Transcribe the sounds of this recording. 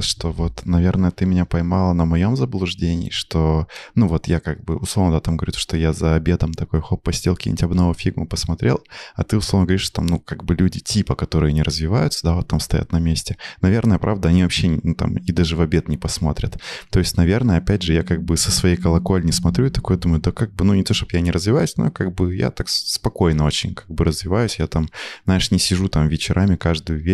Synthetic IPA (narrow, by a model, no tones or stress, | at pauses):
ʂt̪o̞vo̞t̪nɐvʲe̞rnəjət̪ɨmʲɪnʲapɐjmɑlˠənəmɐjo̞mzəblˠʊʐdʲenʲɪ̰ːʂt̪onuvo̞t̪jakaɡ̚bɨʊslˠovnəd̪at̪amɡəvɾʲuʂt̪ojazəɐbʲe̞t̪əmt̪ɐko̞jxopːɐsʲtʲelˠkʲḭnʲɪtʲɐbnɐvofʲiɡmɨpəsmɐt̪ɾʲe̞̰lˠɐt̪ɨʊslˠo̞vnɡəvɾʲiʂt̪o̥t̪a̰mnukaɡbɨlʲudʲɪtʲipəkɐt̪o̞ɾɨjənʲɪɾʔəzvʲɪvajʊt̪səd̪avo̞t̪ːamst̪ɐja̰t̪nɐmʲesʲtʲɪnɐvʲe̞rnəjəpɾʔavd̪əɐnʲivɐpɕːenʲɪnut̪a̰mɪd̪aʐɨvɐbʲe̞t̪nʲɪpɐsmo̞t̪ɾʲə̰t̪t̪o̞ɪsʲtʲnɐvʲe̞rnəjəɐpʲædʲʐɨjakaɡ̚bɨsəsvɐjejkəlˠɐko̞lʲnʲɪsmɐt̪ɾʲuɪt̪ɐkujd̪uməjʊd̪əkaɡ̚bɨnunʲɪt̪o̞ʂt̪opjanʲɪɾəzvʲɪvajʊsʲno̰kaɡ̚bɨja̰t̪akspɐko̞jnəo̞t͡ɕɪ̰nʲkaɡ̚bɨɾəzvʲɪvajʊsʲjat̪amzaɪʂnʲɪsʲɪʐut̪amvʲɪt͡ɕɪɾʔamʲɪkaʐd̪ʊjʊvʲe